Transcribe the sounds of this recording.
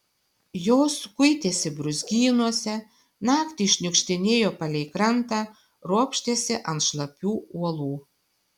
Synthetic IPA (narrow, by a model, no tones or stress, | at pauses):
joːskʊɪt̪ʲeːsʲɪbɾʊzʲɡʲiːnuɔsʲɛ | nɑːkt̪ʲɪʃʲnʲʊkʃʲt̪ʲɪnʲeːjoːpɐlʲɛɪkɾɐnt̪ɑː | ɾuɔpʲʃʲt̪ʲeːsʲɪʔɐnt̪ʃlˠɐpʲuːuɔlˠuː